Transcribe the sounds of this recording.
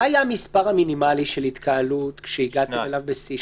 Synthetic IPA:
ajamispaʁhaminimaliʃe̞lit̪kʰaːlutkʃeiɡat̪ielavbesi

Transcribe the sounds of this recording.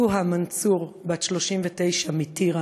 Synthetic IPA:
uɦamant͡suʁbaʃlo̞ʃimvetejʃamitiʁa

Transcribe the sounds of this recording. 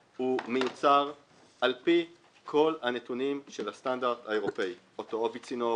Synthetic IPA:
humejut͡saʁ | ʔalpi | kʰo̞lhane̞tunimʃe̞lhastandaʁd̪haeʁopei | ot̪oobit͡sino

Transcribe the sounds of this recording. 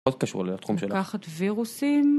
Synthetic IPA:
ot̚kaʃṵʁletχumʃelakaχatviʁusim

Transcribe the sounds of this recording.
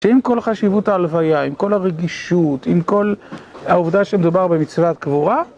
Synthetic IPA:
ʃeimko̞lχaʃivutaːlvajaimko̞laʁeɡiʃutimko̞lauvd̪aʃemed̪ubaʁbe̞mit͡svat̪̚kvuʁa

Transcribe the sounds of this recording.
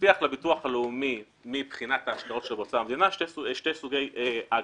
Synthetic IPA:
iaχlebit̪uaχaleumi | mibχinat̪aːʃɡaʁo̞tʃelbot͡saːamd̪inaʃteʃtesuɡe̞jea

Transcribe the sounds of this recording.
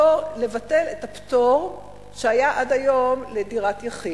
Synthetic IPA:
ole̞vate̞letaptoʁ | ʃeajaʔadajo̞mlediʁatjaχi

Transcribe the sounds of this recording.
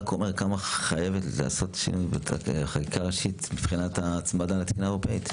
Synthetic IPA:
kʰomeʁkamaχaje̞vetla̰ːso̞t̪ʃḭnujbḛχakikaʁeʃit̪mifχinat̪at͡smad̪alat̪i̥kunaeʁopeit̪

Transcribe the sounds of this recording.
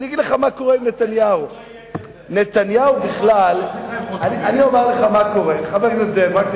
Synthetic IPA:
niaɡid̪leχamako̞ʁeimnet̪anjau | ne̞t̪anjahubiχlalanianiomeʁleχamako̞ʁeniχabeʁtetzemʁak

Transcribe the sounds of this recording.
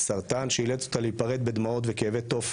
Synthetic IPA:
saʁt̪anʃeileto̞̥t̪aleipaʁet̪̚be̞d̪mao̞t̪vekeevet̪ːo̞f

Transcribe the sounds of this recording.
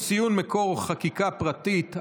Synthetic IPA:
sijunmekoʁχakikapʁat̪it̪

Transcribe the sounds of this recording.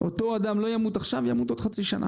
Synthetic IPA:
ʔo̞t̪o̞ad̪amlo̞jamut̪aχʃavjamut̪od̪χat͡siʃanʔa̰

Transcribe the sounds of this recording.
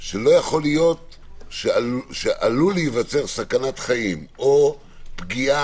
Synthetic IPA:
ʃelo̞jaχo̞lijo̞t̪ | ʃeaʃeʔa̰luljivat͡se̞ʁsakanat̪χaimo | pɡia

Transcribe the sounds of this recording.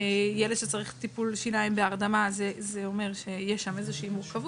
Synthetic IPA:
jeled̪ʃet͡saʁiχt̪ipulʃinaimbeaʁd̪amazezeo̞meʁʃe̞jeʃamezeʃɛimuʁkavu

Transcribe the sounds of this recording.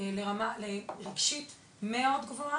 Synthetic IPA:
leʁamalelekʃit | meo̞d̪ɡvoa

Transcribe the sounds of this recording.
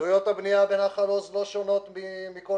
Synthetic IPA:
ujo̞t̪habniavenaχaloslo̞ʃonot̪mimiko

